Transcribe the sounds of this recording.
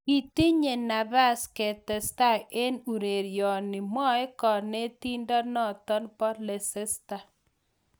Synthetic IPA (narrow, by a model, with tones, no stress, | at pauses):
ki˦ti˦ɲe˨na˨βa˦skɛ˨tɛ˨sta˦˨e˦nu˨ɾe˨ɾjɔ˨nɪ˨mɔ˦e˦kɔ˨ne˦ti˦ndɔ˦nɔ˦˨tɔ˦npɔ˦le˨sɛ˦sta˦˨